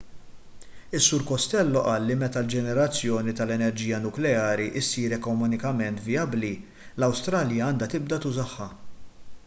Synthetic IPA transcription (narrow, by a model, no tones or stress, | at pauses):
ɪsːʊɾkɔst̪ɛlːɔʔɐːlːimɛt̪ɐld͡ʒɛnɛɾɐt͡sːjɔːnit̪ɐlɛnɛɾd͡ʒiːjɐnʊklɛɐːɾiʔɪsːiːɾɛkɔmʊnɪkɐmɛnt̪vijɐbli | lɐwst̪ɾɐːljɐɐːnd̪ɐt̪ɪb̚d̪ɐt̪ʊzɐħːɐ